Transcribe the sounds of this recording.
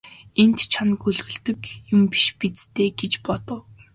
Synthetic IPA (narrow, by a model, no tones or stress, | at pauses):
ent̪t͡ɕʰanɡɵɮɣɘ̆ɮt̪ɘ̆kjʊmpi̥ʃpit͡st̪ʰeːɡet͡ɕpɔt̪ɞ̆w